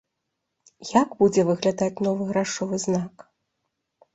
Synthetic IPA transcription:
jaɡbud͡zʲɛvɨɣlʲad̪at͡sʲnɔvɨɣɾaʂɔvɨznak

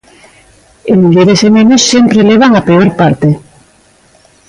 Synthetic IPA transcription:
emiʎeɾesemẽnosːempɾeleβ̞aŋapeoɾpaɾt̪e

